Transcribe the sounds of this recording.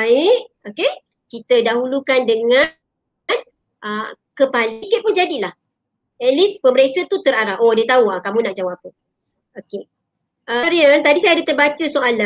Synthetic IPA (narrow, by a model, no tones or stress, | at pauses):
aɪʔoke | kit̪ədaɦulukandəŋã | n | ʔə | kəpalikeʔ̚pund͡ʒadilah | ɛt̪̚lispəməɾesət̪ut̪əɾaɾaʔodət̪auakamũnaʔd͡ʒawapə | oke | ʔəɾiənt̪adisajadət̪əbat͡ʃəsoʔala